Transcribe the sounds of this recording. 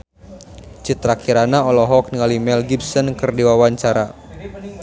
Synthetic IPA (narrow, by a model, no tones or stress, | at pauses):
t͡ʃit̪ɾakiɾanaɔlɔɦɔk̚niŋalimɛlɡibsɔnkɨrdiwawaɲt͡ʃaɾa